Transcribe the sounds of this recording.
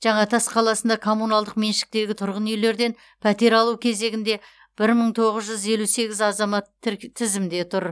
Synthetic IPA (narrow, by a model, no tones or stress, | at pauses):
ʒ̥ɑɴɑt̪ʰɑsqʰɑlˠɑsənd̪ɑkʰo̞munɑlˠd̪əqme̞nʃɪ̥k̚t̪e̞ɡʲɪt̪ʰʊɾʁənejle̞ɾd̪e̞n | pʰæt̪e̞ɾɑlˠuwkʲʰe̞ze̞ɡʲɪnd̪e̞ | b̥ɪɾməɴt̪ʰo̞ʁəzʒʏze̞luse̞ɡʲɪzɑzɑmɑt̪ʰːɪzɪmd̪e̞t̪ʰʊɾ